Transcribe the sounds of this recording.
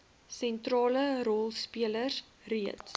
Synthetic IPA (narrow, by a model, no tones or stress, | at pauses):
sɛntrɑːləɾɔlˠspiələr | riət